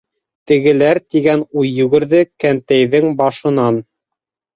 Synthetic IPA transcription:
t̪ɘ̆ɡɘ̆læɾt̪iɡænujːʉɡɘ̆ɾðɘkænt̪æjðɘŋbɑʃɤ̆nɑn

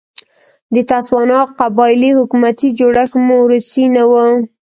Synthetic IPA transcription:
d̪ət̪aswɑnɑqabɑɪlihʊkumat̪id͡ʒoɽaxmoɾusinawə

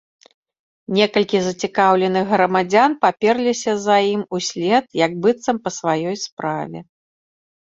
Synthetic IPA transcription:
nʲɛkɐlʲkʲizɐt͡sʲikawlʲɛnɨɣɣɾɐmad͡zʲanpapʲɛrlʲisʲɐzɐjimusʲlʲɛt̪̚jɐɡ̚bɨt̪sɐmpɐsvajɔjspɾavʲɛ̰

